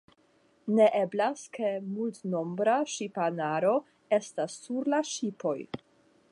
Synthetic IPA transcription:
ne̞ʔe̞blaske̞multno̞mbɾaʃipanaɾo̞ | e̞stasːuɾlaʃipo̞j

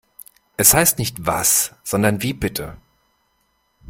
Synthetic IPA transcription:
ʔɛshaɪstnɪçtv̥a̰sz̥ɔndɐnviːbɪtʰə

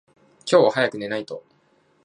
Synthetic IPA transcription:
kʲo̞ːhajakɯ̟ne̞nait̪o̞

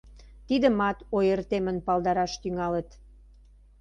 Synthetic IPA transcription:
t̪id̪əmɑt̪ojərt̪emənpɑld̪ɑɾɑʃt̪yŋɑlət̪

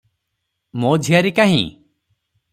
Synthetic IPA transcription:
mod͡ʒʱijaɾikaɦḭ̃

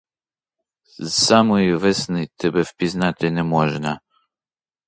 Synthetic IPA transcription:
samɔivɛsnɨt̪ɛbɛfpʲiznat̪ɪnɛmɔʒna

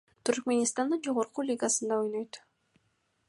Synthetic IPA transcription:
t̪ʰyɾkmʲe̞nʲist̪and̪ɯnd͡ʒo̞ʁoɾqulʲiɡasɯnd̪ɑo̞jnøjt̪

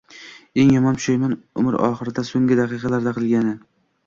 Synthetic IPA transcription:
e̞ŋjɒmɒnt̪ʰʊ̥ʃajmanʊ̰mɪɾɒ̰χɨɾɪd̪asoŋɡʲɪd̪aqɨqɑlaɾd̪aqɨlˠɡʲanɪ

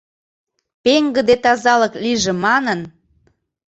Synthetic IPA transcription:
peŋɡə̆d̪et̪ɑzɑləkliʒemɑnən

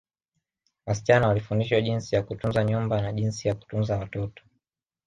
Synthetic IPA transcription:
wasit͡ʃanawalifundiʃwaʄinsijakutunzaɲumbanaʄinsijaku̥tunzawatɔtɔ̥

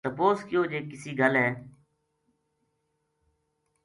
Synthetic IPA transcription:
t̪əpoːskɪjoːd͡ʒeːkɪsiːɡʱəlɦɛː

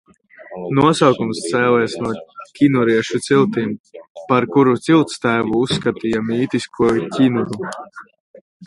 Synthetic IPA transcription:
nuɔsawkumst̪sɛːlɛɛsnuɔcʲinuɾiɛʃut̪silˠt̪iːmpaɾkuɾut̪silˠt̪st̪æːvuusːkat̪ijamiːt̪iskʰuɔcʲinuɾu

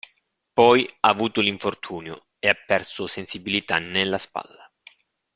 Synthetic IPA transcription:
pɔjaːvuːt̪ʊliɱfort̪ʰuːnjo̰ | eapːɛrsʊsensibilit̪anːelːaspa̰lːa

